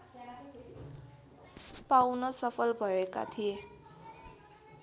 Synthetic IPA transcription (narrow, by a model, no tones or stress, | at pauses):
pawnʌsʌpʰʌlbʱʌeka̰t̪ʰije